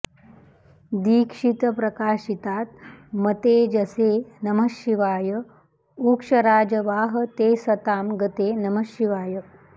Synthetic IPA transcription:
d̪iːkʂit̪əpɾɐkaːʃit̪aːt̪̚mɐt̪eːd͡ʒɐsenɐməʃiʋaːjə | uːkʂɐɾaːd͡ʒəʋaːɦət̪eːsɐt̪aːmɡət̪eːnɐməʃiʋaːjə

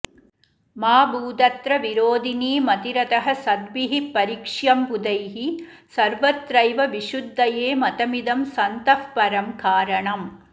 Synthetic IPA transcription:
maːbuːd̪ɐt̪ɾɐʋiɾoːd̪iniːmɐt̪iɾɐt̪ɐɦɐsɐd̪ʋiɦipɐɾikʂjɐmpud̪ɐjɦi | sɐɾʋɐt̪ɾɐjʋɐʋiʂud̪ʱːɐjeːmɐt̪ɐmid̪ɐmsɐnt̪ɐfpɐɾɐmkaːɾɐɳɐm

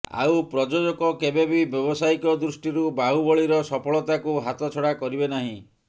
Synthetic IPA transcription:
a̰upɾɔd͡ʒod͡ʒɔkɔkebebibjɔbɔsaikɔd̪ɾusʈiɾubaɦubɔɭiɾɔsɔpʰɔɭɔt̪akuɦat̪ɔt͡ʃʰɔɽakɔɾibenaɦĩ

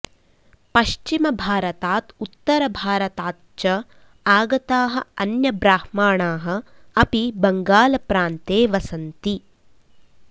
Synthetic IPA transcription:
pɐʃt͡ʃimɐbʱaːɾɐt̪aːt̪ut̪ːɐɾɐbʱaːɾɐt̪aːt̪t͡ʃɐ | aːɡɐt̪aːɦɐ̆ɐnjɐbɾaːhmaːɳaːɦɐ̆ɐpibɐŋɡaːlɐpɾaːnt̪eːʋɐsɐnt̪i

